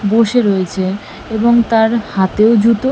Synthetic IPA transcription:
boʃeɾojet͡ɕʰe | eboŋt̪aɾhat̪eod͡ʑut̪o

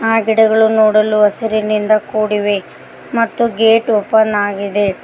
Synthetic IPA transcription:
aːɡiɽɐɡɐɭunoːɽɐluɐsɐɾinind̪ɐkuːɽiʋe | mɐt̪ːuɡeːʈupːɐnːaːɡid̪e

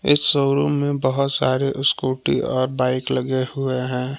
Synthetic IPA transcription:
ɪ̰ssəːɾomẽbəɦʊt̪saːɾeʔʊskoːʈḭɔːɾbaːɪkləɡehʊeɦɛ̃ː

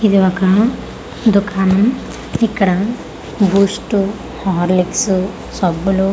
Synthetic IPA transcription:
id̪iʋɐka | d̪ukʰaːnɐm | ikɐɽa | buːsʈu | hɔɦɔɾliksu | sɔbːulu

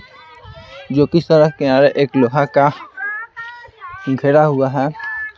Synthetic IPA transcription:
d͡ʒokist̪ɔɾakɛaɾɛʔeklɔɦaka | ɡʱɛɾaɦuaɦɛ

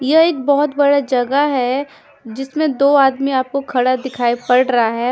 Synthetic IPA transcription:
jɐeːk̚bɔɦʊt̪bɐɽad͡ʒɐɡəɦɛ | d͡ʒɪsmẽd̪oːaːd̪miaːp̚kokʰɐɽad̪ɪkʰaːipɐɽɾɐɦaɦɛː

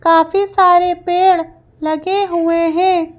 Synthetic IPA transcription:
kaːfisaːɾepeːɽ | lɐɡeɦʊeɦɛ̃ː

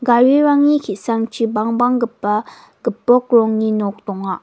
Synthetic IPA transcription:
ɡawiɾaŋɲikʰisaŋt͡ʃibaŋbaŋɡəpːa | ɡ̥əpːok̚ɹoŋɲinok̚t̪oŋa

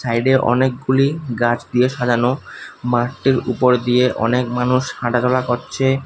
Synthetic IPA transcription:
sajɖeʔɔ̰nek̚ɡuliɡat͡ɕd̪ijeʃad͡ʑanomaɾʈiɾṵpoɾd̪ijeʔɔ̰nekmanuʃhaʈat̪ɔlakoɾt͡ɕʰe

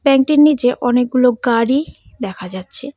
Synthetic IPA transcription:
bɛŋkʈiɾnit͡ɕeʔɔnek̚ɡuloɡaɽi | d̪ɛkʰad͡ʑatːɕʰe

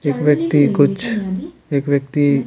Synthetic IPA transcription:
eːkʋjəkt̪ikʊt͡ʃʰ | eːkʋjək̚t̪i

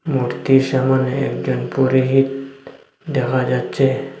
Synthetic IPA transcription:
muɾt̪iɾʃamanḛːkd͡ʒɔnpuɾiɦit̪̚ | d̪ɛkʰad͡ʒatːt͡ʃʰe

